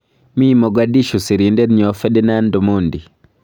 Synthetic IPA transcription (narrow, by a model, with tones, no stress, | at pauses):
mi˦mɔ˨ɡadi˦ʃu˨si˨ɾi˨ndɛ˦dɲɔ˨fɛ˦dɛ˦na˦ndɔ˨mondi˨